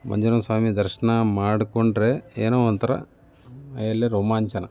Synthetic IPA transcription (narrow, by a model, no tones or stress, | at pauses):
mɐ̰ɲd͡ʒɐɾɐmsʋaːmid̪ɐɾʂɐnɐmaːɽukoɳɖɾeːeːnoːɐnt̪ɐɾɐ̰ | ɐjɐlːeɾoːmaːɲt͡ʃɐnɐ